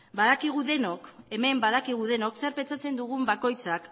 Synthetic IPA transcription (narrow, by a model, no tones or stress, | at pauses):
baðakiɣ̞uðe̞no̞ke̞me̞mbað̞akiɣ̞uðe̞no̞kseaɾpet͡sat͡se̞nd̪uɣ̞umbako̞jt͡sak